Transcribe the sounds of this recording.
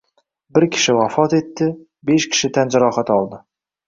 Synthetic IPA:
bɪɾkʲʰɪ̥ʃɪwafɒt̪e̞t̪ːɪ | be̞ʃkʲʰɪ̥ʃɪt̪ʰand͡ʒaɾɒhat̪ɒlˠd̪ɪ

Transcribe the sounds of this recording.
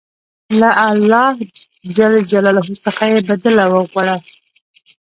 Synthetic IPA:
laʔalːɑh | d͡ʒald͡ʒalɑlɦusəxajebad̪alawəɣʷaɽa

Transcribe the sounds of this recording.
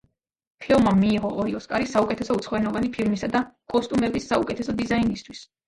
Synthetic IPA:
pʰɛɔmamːiːʁɔʔɔɾiɔskʼaɾisaukʼɛt̪ʰɛsɔut̪sʰχvɛnɔvanipʰiɾmisad̪akʼɔst̪ʼumɛbisːaukʼɛt̪ʰɛsɔd̪izainist̪ʰwis

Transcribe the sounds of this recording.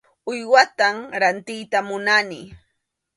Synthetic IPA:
ʊjwat̪amɾant̪ɪjt̪amʊnanɪ

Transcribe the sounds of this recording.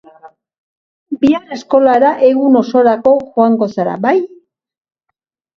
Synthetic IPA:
biare̞sko̞laɾaʔe̞ɣuno̞so̞ɾako̞xoaŋɡo̞saɾa̰baj

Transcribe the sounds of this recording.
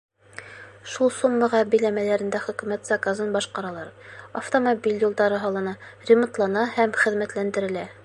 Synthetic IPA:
ʃulˠsumːɤ̆ʁɑbilæmælæɾɘ̆nd̪æχɵ̆kʉ̆mæt̪zakazɤnbɑʃqɑɾɑlˠɑɾɐft̪omobʲilʲjulˠd̪ɑɾɤɦɑlˠɤ̆nɑrʲɪmŏnt̪lˠɑnɑhæmχɘ̆ðmæt̪lænd̪ɘ̆ɾɘ̆læ

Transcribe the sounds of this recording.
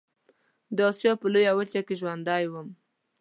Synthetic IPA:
d̪əɑsjɑpəlojawət͡ʃakeʒwand̪ɑjwəm

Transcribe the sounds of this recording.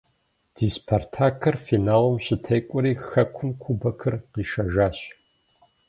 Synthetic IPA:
d̥iːspʰortʰaːkʰɐrfinaːlɐmɕɪtʰɐjkʷʼɔɾiːxɐkʷʰʊmkʷʰubɐkʰɨrqiːʃɐʒaːɕ

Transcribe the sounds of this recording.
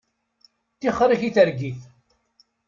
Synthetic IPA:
t̪ːiχɾiçiθəɾɡiθ

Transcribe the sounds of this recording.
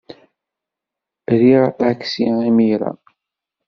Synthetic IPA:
ɾiʁækːsiimiɾa̰

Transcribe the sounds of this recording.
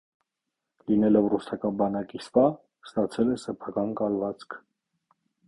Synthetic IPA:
linɛlɔvrusɑkɑnbɑnɑkisvɑ | st̪ɑt͡sʰɛlɛsɛpʰɑkɑnkɑlvɑt͡sʰkʰ

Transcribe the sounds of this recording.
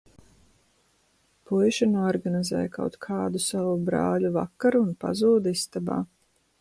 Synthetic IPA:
pujʃanuɔɾɡanizɛ̰ːjkʰa̰wt̪kʰɑːd̪usavubɾɑ̰ːʎuva̰kːaɾunpa̰zuːd̪ist̪aba̰ː

